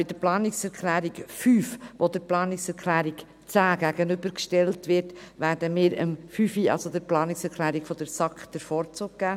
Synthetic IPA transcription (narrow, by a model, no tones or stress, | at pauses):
ɪdəplɑːnɪksɛɾkʰlæːɾikfyːfʋodəɾplɑːnɪksɛɾkʰlæːɾik | t͡sæːɡ̥æɡənʏbəɾkʃtɛltʋɪɾtvæːɾd̥əmɪːɾə̰mfyːfiɑ̰lsodəɾplɑːnɪksɛɾkʰlæːɾikfɔd̥əɾsɑkd̥əɾfɔːɾt͡suːɡ̚ɡ̥æː